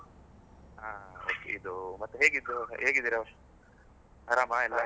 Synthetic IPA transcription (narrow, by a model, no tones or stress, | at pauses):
aːoːkḛid̪umɐt̪ːuɦeːɡid̪ːuɦɦeːɡid̪iːɾɐɐ | haɾaːmaɛlːa